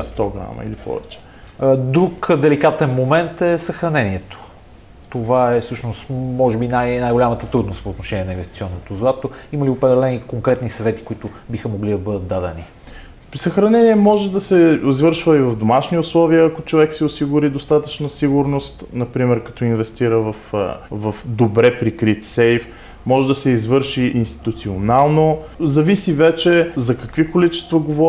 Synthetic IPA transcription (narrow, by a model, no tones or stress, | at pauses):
st̪ɔɡɾa̰mɐ̰ḭlipɔ̰vɛ̰t͡ʃɛ̥ | d̪ɾukd̪ɛlikat̪ɛnmomɛnt̪ɛsɐxɾɐnɛniɛt̪o̥ | t̪ovaɛsɤʃnost̪mɔʒɛbinajnajɡolʲamət̪ət̪ɾud̪nost̪poːt̪noʃɛnʲiɛnəinvɛst̪it̪iɔnːot̪ozat̪oimɐliopɾɛd̪ɛlɛnikoŋkɾɛt̪nisɐvɛt̪i̥koit̪ʊ | bixəmoɡlid̪ɐbɤd̪ət̪̚d̪ad̪ɛni | səxɾɐnɛniɛmɔʒɛd̪ɐsɛizvɤɾʃvəivɐvd̪omaʃniʊslˠɔviəːkot͡ʃovɛksɛosiɡʊɾid̪ost̪at̪ət͡ʃnəsiɡʊɾnost̪nɐpɾimɛɾkɐ̥t̪ɔinvɛst̪iɾəvɐfvɐfd̪obɾɛpɾikɾit̪sɛjf | mɔʒɛd̪ɐsɛizvɤɾʃiʔːnst̪i̥t̪ut̪sionalˠnozɐvisivɛt͡ʃɛzɐkɐkvikolit͡ʃɛ̥st̪vɐɡovɔ